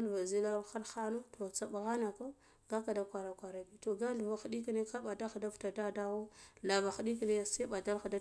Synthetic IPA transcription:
lva˨zi˦la˦xa˦ɾxa˦no˦to˨t͡sa˨ɓa˨ɣa˦na˨ko˦ | ɡa˦ka˨da˦kʷa˨ɾa˨kʷa˨ɾa˨bi˨to˨ɡa˦ɬva˨xdi˦ki˦ne˦ka˦ɓa˨da˦xda˦v̥ta˨da˦da˦wo˦la˨va˨xu˨di˦ki˨ne˦sa˦ɓa˨da˦lxa˨da˦

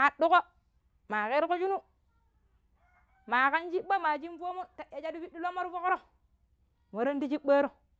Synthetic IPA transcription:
a˨du˦ko˦ | ma˨ke˦ɾko˦t͡ʃu˦nu˦ | ma˨ka˦nt͡ʃi˦ɓːa˦ma˨t͡ʃi˦n˦fo˦mo˦ta˨ʔa˨d͡ʒa˦du˦fi˦di˦lo˦mo˦ɾfo˦ko˦ɾo˦ | mo˨ɾo˦n˦di˦t͡ʃi˦ɓa˦ɾo˦˨

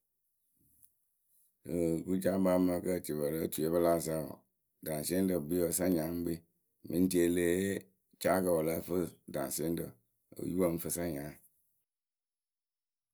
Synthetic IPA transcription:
ku˦d͡ʒa˦ba˦mə˦kə˦˨t͡ʃi˨bə˨lə˦tu˨e˦bə˦la˦˨s̬a˦ɔ̰˨ | da˨n˨se˦n˦də˨bi˦ɔ˨sa˦ɲã˨˦ŋ͡m̩˦bi˦ | mĩ˨n˦te˦le˦ | t͡ʃa˦kə˨wɔ˨la˦fə˦da̰˨n˨se˦n˦də̰˨ | o̰˨ju˦wa˦m̩˦fə˦sa˦ɲã˨˦˨

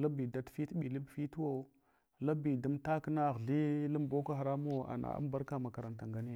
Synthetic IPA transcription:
la˦bi˨da˦tfi˦tɓi˨li˦bfi˦two˦ | la˦bi˨da˦mta˦kna˦˨ɣɮi˦la˦m˦bo˦ka˦xa˨ɾa˦m˦o˦a̰˨na̰˨a̰˦m˦ba˦ɾka˦ma˨ka˨ɾa˨nta˨ŋɡa˦ne˦

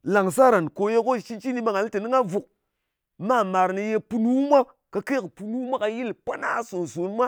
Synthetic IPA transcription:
la˨ŋsa˦ɾa˨nko˨je˦ko˦˨ʃi˦t͡ʃi˦ni˦ɓa˦ŋa˨li˦te˨ni˦ŋa˦vu˨k̚ | ma˦˨ma˨ɾni˧je˧pu˦lu˦mʷa˦ | ka˨˧ke˦˨kpu˨lu˦mʷa˦ka˧ji˦lpʷa˦na˦so˨nzo˨˦nmʷa˦

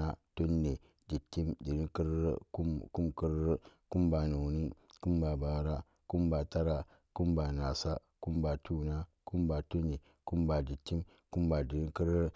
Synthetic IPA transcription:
a˦to˦nːe˨ | d͡ʒi˨tːi˦mdi˨ɾi˦ki˦ɾu˦ku˦mki˦ɾku˦mba˨nu˨wni˦ku˦mba˨ba˨˦ɾa˦ | ku˦mba˨ta˦ɾa˨ | ku˦mba˨na˨sa˦ | ku˦mba˨tu˦˨na˦ | ku˦mba˨tu˦nːe˨ | ku˦mba˨d͡ʒi˨tːi˦m | ku˦mba˨di˨ɾi˦ŋki˦ɾ

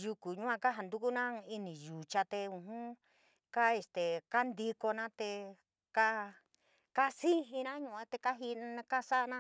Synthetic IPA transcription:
ju˧ku˨ɲũ˦ã˧ka˦ɦa˧nd̪u˦ku˦nã˦˧i˧nĩ˨ju˨t͡ʃa˧t̪e˧ũ˧ɦũ˦ | ka˦e˧st̪e˨ka˦nd̪i˧ko˧nã˦t̪e˧ | ka˦ | ka˦si˦ɦi˧nã˦ɲũ˧˨˧t̪e˧ka˦ɦi˧n˦˧ka˦sa˦ʔnã˦

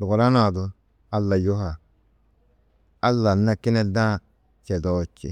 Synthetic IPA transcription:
du˨ɡu˨ɾa˦na˨du˨ | a˦lːa˨jo˦ɦa˨ | a˦lːa˨nːa˦ki˦ne˦dã˦ | t͡ʃe˨dɔ˦˨t͡ʃːḭ˨

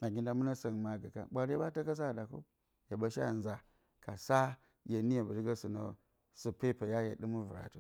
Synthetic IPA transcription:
a˨ɡi˦nda˨mu˦na˦sa˨ŋ˨ma˨ɡa˨ka̰˦ɓʷa˦ɾba˦ta˦ka˦s̬a˦˨da˨ko̰˦ | ja˨ɓa˦ʃa̰˦˨nza˨ | ka˨sa˦ | je˨ni˦ja˨bu˨ɾi˦ɡa˦su˨no˨ | su˨pe˦pa˨ja˦ja̰˨ɗi˦mu˦vṵ˨ɾa̰˨tu˨

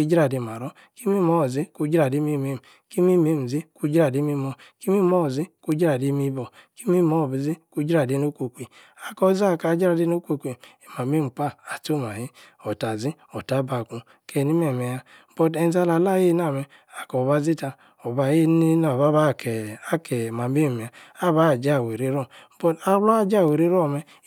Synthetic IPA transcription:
ki˦d͡ʒi˦ɾa˨di˨m˨a˨ɾɔ˦ | ki˦mi˦mɔ˦˨zi˦ku˧˦d͡ʒi˦ɾa˨di˦mi˦˨me˦m˨ | ki˦mi˦˨me˦˨m̩˨zi˦ku˦d͡ʒa˨di˦mi˦mo˨ki˦mi˦mɔ˦˨zi˦ku˦d͡ʒi˦ɾa˨di˨˦mi˦bɔ˨ki˦mi˦mɔ˦˨bi˨zi˦ku˦d͡ʒi˦ɾa˨di˨˦no˦kʷo˨kʷi˨ | a˨kɔ˦˨za˦˨ka˨˦d͡ʒi˦ɾa˨di˦no˦kʷo˧kʷi˨e˨ma˨me˦˨m̩˨k͡pa˦a˨to˦˨ma˨hi˦ | ɔ˨ta˨zi˦ | ɔ˨ta˨˦ba˨ku˧ | kɛ˧˨ni˦mɛ˨mɛ˨ja˧˦ | bɔ˧dɛ˧n˦za˧˦la˨la˦˨je˦na˦˨mɛ˧ | a˨kɔ˨ba˧zi˦ta˧ | ɔ˨ba˨je˦i˦na˨ba˦ba˦˨kɛ˨a˦kɛ˨ma˨me˦m˨e˨a˨a˦ba˦˨d͡ʒa˦˨we˨ɾe˦ɾɔ˦˨˦bɔ˧ta˦lɔ˦a˦˨d͡ʒa˦˨we˨ɾe˦ɾɔ˦˨mɛ˧

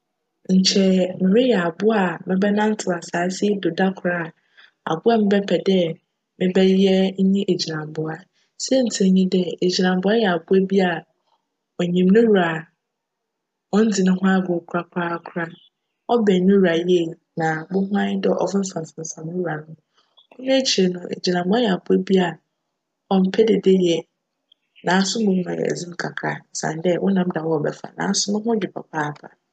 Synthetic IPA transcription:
ɲ̩˨t͡ɕʰɛ˦mɪ̃˨mɪ̃˦jɛ˨a˨bʊ˦a˨mɪ̃˦bɛ˦nã˦m̩˦tʰʊ˨a˨saː˨˦sɪ˦do˨da˦kʰʊ˨ɾa˦˨ | a̰˨bʊ˦a˨mɪ̃˦bɛ˦pʰɛ˨dɛ˦ | mɪ̃˦bɛ˦jɛ˦ɲ̩˦ɲĩ˦ʔe˨d͡ʑi˨nã˨m˨bʊ˨a˨ | sɛ˦n̩˨tʰi˦ɲĩ˦dɛ˦e˨d͡ʑi˨nã˨m˨bʊ˦a˦jɛ˨a˨bʊ˦ɛ˦bi˦a˨ | ɔ˨ɲĩ˨m˦nɪ̃˦wu˨a˨ | wɔ̃˦n̩˦d͡zi˨nʊ̃˦ɦʊ̃˦a˦bʊ˨kʰɾa˦kʰʊ˨ɾa˦kʰʊ˦ɾa˦ | ɔ˦bɛ˨˦nĩ˦u˨a˨je˦˨ | nã˨bʊ̃˦hʊ̃˦ã˦ɪ˦dɪ˦ʔɔ̰˨vɪ˦m̩˦fã˨n˨sã˨n˨sã˨mnʊ̃˦ɾu˨a˨nʊ̃˦ | ʊ̃˦nʊ̃˦e˦t͡ɕʰi˨ɾe˨nʊ̃˨ʔḛ˨d͡ʑi˨nã˨m˨bʊ˨˦a˦jɛ˨a˨bʊ˦e˦bi˦a˨ | ɔ˦m̩˦pʰɛ˦dɪ˨de˦jɛ˨ | nã˨a˨sʊ̃˦bʊ̃˦hʊ̃˦ã̰˨jɛ̰˨ɛ̰˨d͡zĩ˦m̩˦kʰa˨kʰa˨˦n̩˨sã̰˨ndɛ˦wʔʊ̃˦nã˨˦m˦da˨wɔ˦ɔ˨bɛ˨fa̰˨nã̰˨a˨sʊ˦nʊ̃˦ɦʊ̃˦d͡ʑᶣɪ˨pʰɔ̰˨pʰaː˦˨pʰa˨

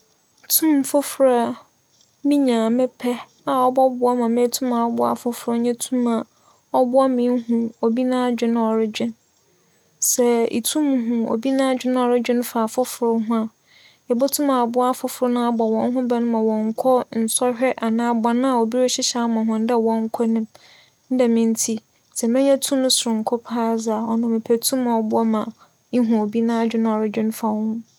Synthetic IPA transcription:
tʰũ˦m˨fʊ˦fɾa˦ | mĩ˦ɲã˨mɛ˦pʰɛ˦ | a˨ɔ˦bɔ˦bʊ˨˦a˦mã˨mẽ˦tʰũ˦mã˨ɔ˦bʊ˦a̰˦fʊ˦fɾa˦ɲɛ̃˦tʰũ˦ma˨ | ɔ˦bʊ˦a˦mĩː˨˦ɦũ˨o˨bi˦nã˦d͡ʑᶣɪ̃˦nʊ̃˦ɔ˨ɾɪ˦d͡ʑᶣɪ̃˦n | sɛ˨ḭ˨tʰũ˦m˨ɦũ˨o̰˨bi˦nã˦d͡ʑᶣɪ˦ñ˦ɔ˨ɾɪ˦d͡ʑᶣɪ̃˦ñ˦faː˨fʊ˦fɾʊ˦ɦʊ̃˦a˨ | ɛ˨bɔ˦tʰʊ̃˦mã˨a˨bʊ˦a˦fʊ˦fʊ˨ɾʊ˦nã˦a˦ba˨wɔ̃˦n˦ɦʊ̃˦bɛ˨nʊ̃˦mã˨wɔ̃˨ŋ˦kʷʰɔ˦n̩˨sɔ˦hᶣɛ˦ʔa˨nãː˦ba˨nã˦a˨o˨bi˦ɾɔ˦ɕɪ˦ɕa˦mã˨ɦʊ̃˨n̩˦dɛ˦˨wɔ̃˦ŋ̩˦kʰɔ˦nʊ̃˦m | n̩˦dɛ˨mɪ̃˦n̩˦tʰi˦ | sɛ˨mɪ̃˦ɲɛ̃˦tʰũ˦mnʊ̃˦sʊ˨ɾʊ̃˨ŋ̩˨kʰʊ˦pʰaː˦za˨ɔ˨nʊ̃˨mɪ̃˨pʰæ˨tʰũ˦mã˨ɔ˨bʊ˦ɔ˦mã˨ | ĩ˦ɦũ˨o˨bi˦nã˦a˨d͡ʑᶣɪ˦ñ˦˨ɔ˨ɾɪ˦d͡ʑᶣɪ̃˦n˦fa˨ɔ˨˦hʊ̃˦

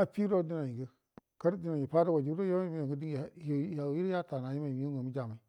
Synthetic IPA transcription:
a˨pi˦ɾo˦di˦na˨i˨ɡə˦ | ka˦ɾdi˦na˨i˨pa˦da˦wa˨d͡ʒi˨˦ɾo˦ja˦a˦mi˦a˨ɡə˦di˦ŋ˦˨jja˨˦ji˦ɾja˦ta˨na˨ji˦ma˨m˦jo˦ɡo˨mi˦d͡ʒa˨ma˨i˨

